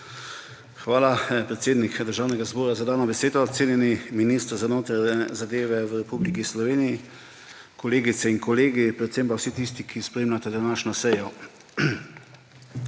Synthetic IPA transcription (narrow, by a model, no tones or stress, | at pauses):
xʋaːlapɾɛt̪seːd̪nikd̪əɾʒaːwnɛɡazbɔːɾazad̪aːnɔbɛseːd̪ɔːt̪seːnjɛniminiːst̪ɾzanoːt̪aɾɛzad̪eːʋɛwɾɛpublikislɔʋeːniji | kɔleːɡit̪sɛinkɔleːɡipɾɛt̪sempawsit̪ist̪ikʰispɾeːmlʲat̪ɛd̪anaːʃnɔsɛjɔ